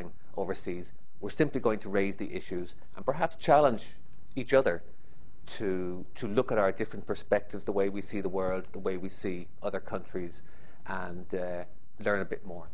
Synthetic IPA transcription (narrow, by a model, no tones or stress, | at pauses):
ɪ̃ŋ | ʔo̰ʊvə˞siːz | wɪɹsɪ̃mpliɡoʊɪ̃ŋtʰəɹeɪzðiʔɪʃʉz | ʔə̰̃npə˞ɦapst͡ʃʰalə̃nd͡ʒ | it͡ʃʌðə˞ | tʰə | tʰəlʊkəɾaʊə˞dɪfɹə̃npʰə˞spɛk̚tɪvzðəweɪwisiðəwɜ˞lˠd̪ðəweɪwisiː | ʔʌðə˞kʰʌ̃nt͡ʃɹ̥iz | ʔə̃n | lɜ̃˞nəbɪt̚mɔːɹ